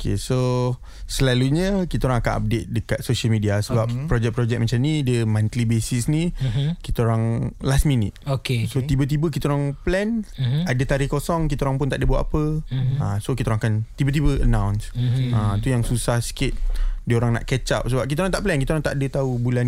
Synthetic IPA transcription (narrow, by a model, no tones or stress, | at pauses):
okʰḛso | səlaluɲə̃kit̪aoɾaŋakana̰p̚det̪̚dəkat̪̚soʃəlmidiasəbap̚pɾɔd͡ʒɛk̚pɾɔd͡ʒɛk̚mət͡ʃamnidəmãnt̪libesisnikit̪aoɾaŋlast̪̚minḭt̪̚okesot̪ibət̪̬ibəkit̪aoɾaŋplɛnadət̪aɾihkosɔŋkit̪aoɾaŋpʊnt̪aʔdəbuat̪apəasokit̪aoɾaŋakant̪ibət̪̬ibəənãwnsat̪ujaŋsusahsi̥kɪt̪̚diəoɾaŋna̰ʔkɛt͡ʃap̚səbap̚kit̪aoɾaŋt̪aʔplɛnkit̪aoɾaŋt̪aʔadət̪aubulan